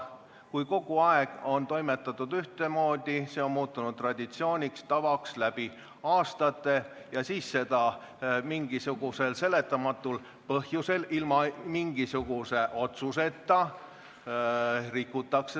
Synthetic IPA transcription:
kujko̞ɡ̥uɑeɡ̥o̞nt̪o̞jme̞t̪ːˑɑt̪ːˑud̪̥yht̪e̞mo̞ːd̪̥ʲise̞o̞nmuːt̪ːˑunud̪̚t̪ːˑrɑd̪̥ʲit̪sio̞ːnʲikst̪ɑvɑkslæb̥i | ɑːst̪ɑt̪ːˑe̞ | jɑsiːsse̞d̪̥ɑ | miŋɡ̥isuɡ̥use̞lse̞le̞t̪ːˑɑmɑt̪ˑːul | pɤhjuse̞lilmɑmiŋɡ̥isuɡ̥use̞ʔo̞t̪suse̞t̪ːɑ | rikːut̪ːˑɑkse

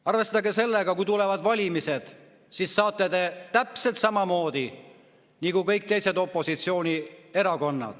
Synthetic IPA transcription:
ɑrve̞st̪ɑɡese̞lːe̞ɡ̥ɑkujt̪ule̞vɑd̪̥vɑlʲimise̞d̪̥ | sisːɑːt̪ːˑed̪e̞t̪æpse̞lt̪sɑmɑmo̞ːd̪̥i | nikukɤjk̚t̪e̞jse̞d̪o̞pːˑo̞sit̪sio̞ːnie̞ɾɑko̞nːɑ̰d̪̥

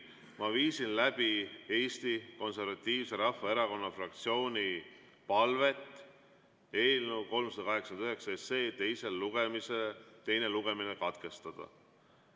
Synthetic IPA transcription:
mɑviːsinlæb̥ie̞ːst̪iko̞nse̞rvɑt̪ʲˑːiːvse̞ɾɑfːɑe̞ɾɑko̞nːɑfrɑkt̪sio̞ːnʲi | pɑlve̞t̪ːˑ | e̞ːlnuko̞lmsɑd̪ɑkɑɦe̞ksɑnd̪yɦe̞ksɑese̞ːt̪e̞jse̞lːuɡ̥emiset̪e̞jneluɡ̥e̞mine̞kɑt̪ke̞st̪ɑd̪̥ɑ̰

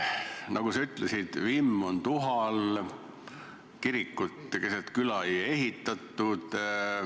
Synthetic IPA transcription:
nʔɑɡ̥usɑyt̪ˑlesid̪̥vimːo̞nt̪uɦɑl | kiɾikːut̪ːkeset̪kylɑeje̞ɦit̪ːˑɑt̪ːˑud̪̥

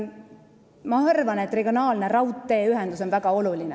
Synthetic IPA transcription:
mɑhɤrvɑnet̪ːˑre̞ɡ̥io̞nɑːlne̞rɑwt̪ːe̞ːyɦɛnd̪̥uso̞nvæɡ̥ɑo̞luline

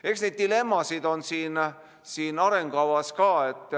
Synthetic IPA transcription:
e̞ksned̪̚ːile̞mːɑsid̪o̞nsiːn | siːnɑɾe̞ŋɡ̥ɑwɑskɑːe̞t̪ːˑ

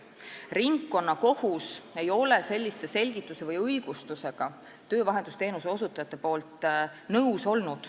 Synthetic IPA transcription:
riŋkːo̞nːɑko̞huse̞jo̞le̞se̞lʲːisːe̞se̞lʲɡ̥it̪ːˑuse̞vɤjɤjɡ̥ust̪use̞ɡ̥ɑ | t̪ø̞ːvɑɦe̞nd̪ust̪e̞ːnuseo̞sut̪ːˑɑjɑt̪ːˑe̞po̞ːlt̪ˑnɤwso̞lnud̪̥

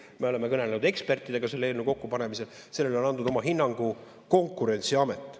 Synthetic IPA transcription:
me̞o̞le̞mekɤnelenud̪̥e̞kspe̞rt̪ːˑid̪̥e̞ɡ̥ɑse̞lːeelnuko̞kːupɑne̞mise̞l | se̞lːelo̞nɑnd̪ud̪̥o̞mɑɦinːɑŋɡ̥u | ko̞ŋkˑːuɾe̞nʲt̪siɑmet̪ːˑ

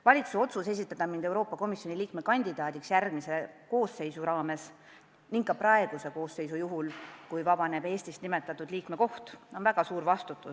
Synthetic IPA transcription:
vɑlʲit̪suo̞t̪suse̞s̬ʲit̪ːˑɑt̪ɑmind̪e̞wɾo̞ːpːˑɑko̞misjo̞nʲiliːkme̞kɑnʲd̪̥id̪̥ɑːd̪̥iksjærɡ̥mise̞ko̞ːsːe̞jsuɾɑːme̞s | niŋkkːɑpɾɑe̞ɡ̥use̞ko̞ːsːejsujuɦulkujvɑb̥ɑne̞b̥e̞ːsʲt̪ist̪nime̞t̪ːˑɑt̪ːˑud̪liːkme̞ko̞ht̪o̞nvæɡ̥ɑsuːɾvɑst̪ut̪ːˑu

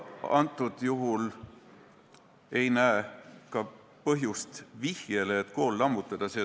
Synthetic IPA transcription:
ɑ̰nt̪ːˑud̪̥juɦul | e̞jnæekɑ | pɤɦjust̪vihjeleːt̪ːko̞ːlːɑmːut̪ːˑɑd̪̥ɑseː

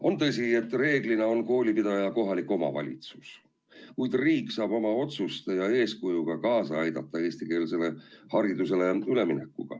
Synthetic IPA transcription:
o̞nt̪ɤs̬ʲie̞t̪ːˑre̞ːɡlinɑo̞nko̞ːlʲipid̪̥ɑjɑko̞ɦɑlikːo̞mɑ̰vɑ̰lʲḭt̪su̥s | kujd̪̥riːkːˑsɑːb̥o̞mɑo̞t̪sust̪ejɑe̞ːskujuɡ̥ɑkɑːsɑɑjd̪̥ɑt̪ˑːɑe̞ːst̪ike̞ːlse̞le̞hɑɾid̪use̞le̞yle̞minekːuɡ̥ɑ̰

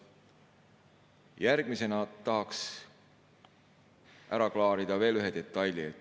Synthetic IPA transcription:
jæɾɡ̥mise̞nɑt̪ɑɦɑks | ʔæɾɑklɑːɾid̪̥ɑve̞ːlyɦe̞d̪̥e̞t̪ˑːɑjlʲie

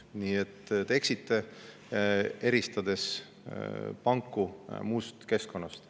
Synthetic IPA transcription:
niːet̪ːt̪e̞ksit̪ˑːe̞ | e̞ɾist̪ɑd̪̥e̞s | pɑŋkːˑumuːst̪ke̞sko̞nːɑst̪

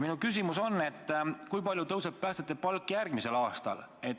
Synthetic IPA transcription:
minukys̬imuso̞nːe̞t̪ˑːkujpɑlʲjut̪ɤwseppæːst̪et̪ːˑepɑlkːˑjærɡ̥mise̞lɑːst̪ɑ̰l | e̞t̪

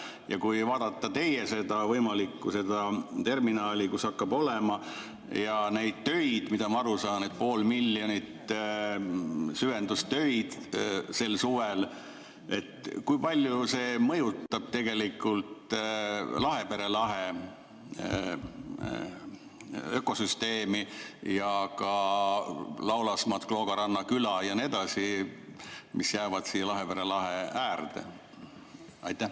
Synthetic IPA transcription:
jɑkujvɑːd̪̥ɑt̪ːˑɑt̪e̞jese̞d̪ɑvɤjmɑlikːuse̞d̪ɑt̪e̞rminɑːlʲikusɑkːɑbo̞lemɑ | jɑne̞jd̪̥̚t̪ø̞jd̪̥mid̪̥ɑmɑɑɾusɑːnet̪̚po̞ːlmilʲːjo̞nit̪ː | syvend̪ust̪ø̞jd̪̥se̞lsuvel | e̞t̪kujpɑlʲjuse̞ːmɤ̞jut̪ːˑɑb̥̚t̪e̞ɡe̞likːˑult̪ | lɑɦe̞pe̞ɾe̞lɑɦe | ø̞ko̞syst̪e̞ːmijɑkɑ | lɑwlɑsmɑt̪klo̞ɡ̥ɑɾɑnːɑkylɑjɑned̪̥ɑsi | misjæːvɑd̪̥siːlɑɦepeɾe̞lɑɦeæːrd̪̥ḛ | ɑjt̪ˑːæ

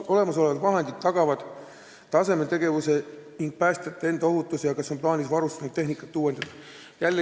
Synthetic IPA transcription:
o̞le̞mɑs̬o̞levɑd̪vɑɦe̞nd̪̥id̪t̪ːɑɡ̥ɑvɑd̪̥ | t̪ɑse̞me̞t̪e̞ɡe̞vuse̞niŋɡ̥̚pæːst̪et̪ːˑɑe̞nd̪ɑoɦut̪ːˑusijɑkɑso̞nplɑːnisvɑɾust̪ɑnud̪t̪ːe̞ɦnikːˑɑt̪ːˑuːwe̞nd̪̥ɑd̥̪ɑ | jælːe

